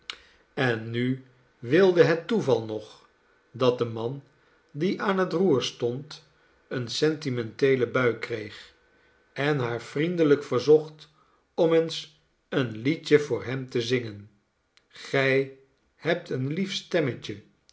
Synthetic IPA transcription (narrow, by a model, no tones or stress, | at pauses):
ɛnːy | ʋɪlˠdəɦɛtːuvɑlˠnɔχ | dɑt̚dəmɑn | diʔaːnɦətruːɹstɔnt | ənsɛntimɛntejləbœɥkrejχ | ɛnɦaːɹfrindələkfəɹzɔχt | ɔməns | ənlicəvʊːɹɦɛmtəzɪŋən | χɛj | hɛp̚tənlifstɛməcə